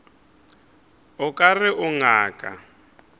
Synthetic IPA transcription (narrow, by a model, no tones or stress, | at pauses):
ʊkʼarɪʔʊŋaːkʼa̰